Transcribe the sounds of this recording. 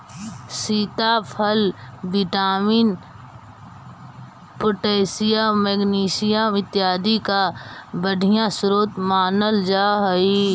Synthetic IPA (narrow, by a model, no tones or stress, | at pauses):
siːt̪apʰəlʋɪʈaːmiːn | poʈeːsijamɛːɡniːʃijaɪt̪jaːd̪ikabəɖʱijãsʊɾoːt̪maːnəld͡ʒaːɦəi